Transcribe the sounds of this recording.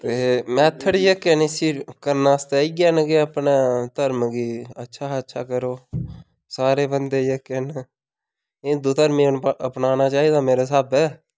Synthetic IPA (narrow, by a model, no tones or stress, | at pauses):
t̪eːmɛ̃ːt̪ʰːəɽiːjekːenesiːkəɾnaːst̪eːiːɡɛːnɡeəpnaːt̪əɾmɡiːətːʃʰaːətːʃʰaːkəɾoː | saːɾeːbənd̪eːjeːken | ɪd̪oːt̪əɾmẽːnəpnaːnaːt͡ʃaːiːd̪aːmeːɾaːsaːbɛː